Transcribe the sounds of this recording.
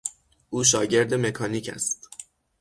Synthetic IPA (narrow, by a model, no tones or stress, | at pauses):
ʔuːʃ̬ɒːɟe̞ɾd̪e̞me̞kʰɒːniːcʰæ̰st̪